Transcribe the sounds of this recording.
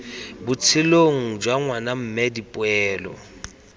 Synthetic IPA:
bʊt͡sʰɪloŋ̩d͡ʒwaŋwanam̩mɛdipʼwɛːlɔ̰

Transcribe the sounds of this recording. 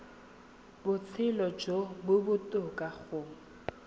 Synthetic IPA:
bʊt͡sʰɪlɔd͡ʒobʊbʊtʼʊkʼaɣʊː

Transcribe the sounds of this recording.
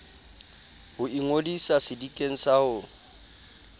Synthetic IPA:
hʊiŋodisasɪdikʼeŋ̩saʊ

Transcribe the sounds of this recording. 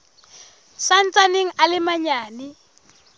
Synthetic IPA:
san̩t͡saneŋ̩alɪmaɲaːnɪ

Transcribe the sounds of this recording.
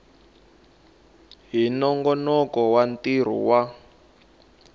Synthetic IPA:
ɦinɔŋɡɔnɔkɔwantiɾ̤ṵwa

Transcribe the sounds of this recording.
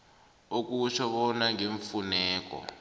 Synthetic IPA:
ok̬uʃɔɓɔnaŋeɱfunɛːk̬ɔ̰

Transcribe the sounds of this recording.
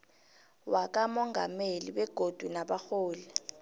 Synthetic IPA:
wak̬ʼamɔŋɡʱa̰meliɓɛɡ̥ʱod̥ʱunaɓaxoːlɛ

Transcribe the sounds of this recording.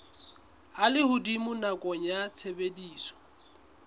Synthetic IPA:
alɪhʊdimʊnakʼɔɲat͡sʰebediːsɔ̥

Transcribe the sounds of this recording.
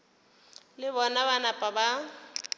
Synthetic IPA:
lɪβɔnaβanapʼaba

